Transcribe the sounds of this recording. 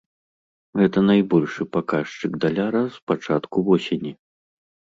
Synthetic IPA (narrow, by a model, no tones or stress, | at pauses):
ɣɛt̪ɐnajbɔlʲʂɨpakaʂt͡ʂɨɡd̪alʲaɾɐspat͡ʂat̪kuvɔsʲenʲi